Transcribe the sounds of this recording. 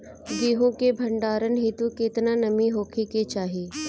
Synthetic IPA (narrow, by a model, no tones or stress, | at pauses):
ɡiːɦõkebʱɐ̃ɳɖaːɾənɦiːt̪uket̪nanɐmiɦoːkʰiket͡ʃaːɦiː